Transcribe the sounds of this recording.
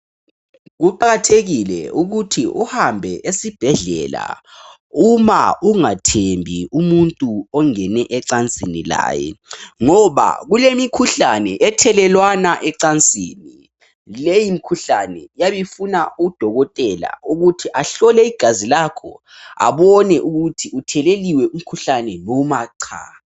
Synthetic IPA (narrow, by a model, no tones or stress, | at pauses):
ɣuǃaɣatʰeɣilɛ̰uɣutʰiʔuhambʱɛʔesib̥ʱɛɮɛla̰ | uma̰uŋatʰembʱiumuntʼuɔŋɛnɛʔɛǀant͡sʼinḭla̰ːjɛ̰ŋɔβa̰ɣulemikʰuɬanɛʔɛtʰɛlɛlwanaʔɛǀant͡sʼḭːni | lejim̩kʰuɬanɛjaβifunauɣud̥ʱɔɣɔtʼɛla̰uɣutʰiʔaɬɔlɛiɡ̥ʱazilakʰɔ̰ | a̰βɔnɛʔuɣutʰiutʰɛleliwɛʔum̩kʰuɬanɛnɔmaːǀʰa̰